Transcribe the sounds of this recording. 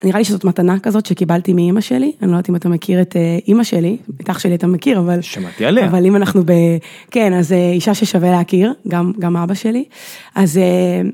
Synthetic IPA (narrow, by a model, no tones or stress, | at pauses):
niʁaliʃezotmatanakazo̞t̪ʃekibaltimiimaʃelianlet̪imatamekʰiʁeteimaʃelibetaχʃe̞liatamekiʁavalʃama̰t̪ialeavalimanaχnube | kenazeiʃaʃeʃaveleakiʁɡamɡamabaʃeliʔaze